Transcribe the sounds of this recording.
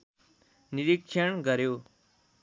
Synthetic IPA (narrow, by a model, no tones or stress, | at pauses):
niɾikʂʰəɳɡəɾjoː